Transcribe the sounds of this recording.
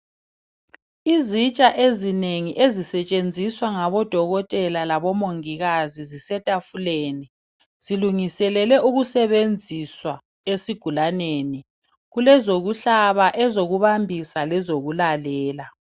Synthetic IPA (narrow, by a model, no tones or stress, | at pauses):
izit͡ʃʼaʔezineŋiʔezisɛt͡ʃʼend͡zʱiswaŋaβɔd̥ʱɔɣɔtʼɛlalaβɔmoŋiɣazizisɛtʼafuleni | z̥iluŋisɛlɛlɛʔuɣusɛβend͡zʱiswa | esiɡ̥ʱulaneni | ɣulɛzoɣuɬaβaʔɛzoɣuβambʱisalɛzoɣulalɛːla